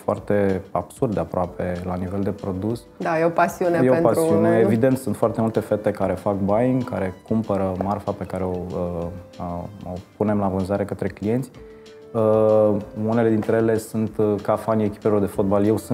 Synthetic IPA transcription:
foa̰rt̪e̞a̰b̥surd̪eapɾoape̞lanive̞ld̪e̞pɾo̞d̪us | d̪ajeopasiunejeoepasɾiuneevid̪e̞nt̪sunt̪foart̪e̞mult̪e̞fe̞t̪e̞kaɾe̞fak̚baika̰ɾe̞kumpəɾəmarfape̞kaɾe̞oə | opune̞mlavɨnzaɾe̞kət̪ɾe̞klije̞nt̪sʲ | ə | une̞le̞d̪int̪ɾe̞jele̞sunt̪kafanie̞kʲi̥pelo̞rd̪e̞fo̞t̪̚balje̞ws

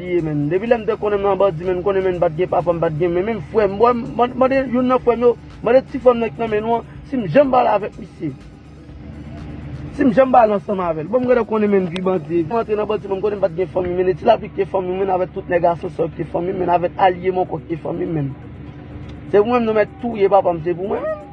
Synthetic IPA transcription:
liemɛ̃ndepilɛm̩d̪ɛkɔ̃nɛ̃mnãbad͡zimɛ̃nkõnɛ̃mɛ̃nm̩pat̪̚ɡɛ̃pap̬am̩bat̪̚ɡɛ̃mɛ̃mɛ̃mfɛmbm̃ejonãfwɛmjo | mãdetifwɛmnãkinãmɛ̃nũãsim̩ʒɛ̃mɓalavɛk̚mise | sim̩ʒɛ̃m̩balãsɐ̃mavɛlbɔ̃m̩kɛ̃dɛkõnɛ̃mɛ̃nviɓãd͡zievɛmãt̪ɣenãbɔd͡zimɛ̃nkõnẽm̩pat̪̚ɡɛ̃fãmĩmɛ̃netilapikẽfãmĩmɛ̃navɛk̚tut̪̚neɡasjɔ̃sɔkefãmĩmɛ̃navɛkalijemɔ̃kɔkẽfã̰mĩmɛ̃n | sep̬umwɛ̃m̩nõmɛtujepapam̩s̬ep̬umwɛ̃

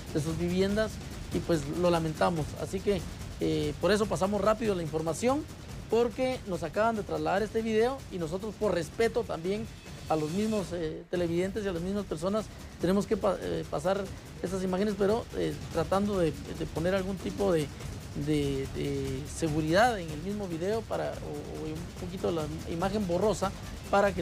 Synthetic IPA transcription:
d̪e̞s̬uzβiβje̞nd̪as | ipwe̞slo̞lamẽ̞nt̪amo̞sa̰sike̞ | epoɾe̞s̬o̞pasamo̞srapiðolaiɱfo̞ɾmasjo̞n | po̞ɾke̞nosakaβand̪e̞t̪ɾazlaðaɾe̞st̪e̞βiðe̞o̞inos̬o̞t̪̬ɾospo̞ɾre̞spe̞t̪o̞t̪ambje̞ŋ | alo̞zmizmo̞set̪e̞le̞βiðe̞nt̪̬es̬ialazmizmaspe̞ɾs̬o̞nas | t̪e̞ne̞mo̞ske̞paepasaɾ | e̞sas̬imaxe̞ne̞s̬peɾo̞et̪ɾat̪and̪o̞ðed̪epo̞ne̞ɾalɣunt̪ipo̞ðe | d̪ed̪ese̞ɣuɾiðaðe̞ŋelmizmo̞βiðe̞o̞paɾa | o | upo̞kit̪olaḭmaxe̞mbo̞ro̞sa | paɾake

